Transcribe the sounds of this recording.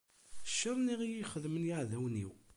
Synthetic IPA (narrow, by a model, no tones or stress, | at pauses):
ʃːəɾˤniʁijiχəðmənjaʕðæwnḭw